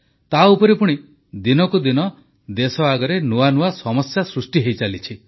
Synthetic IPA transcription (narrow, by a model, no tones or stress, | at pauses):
t̪aupɔɾipuɽ̃i | d̪inɔkud̪inɔ | d̪esɔaɡɔɾenuanuasɔmɔsjasɾusʈiɦejt͡ʃalit͡ʃʰi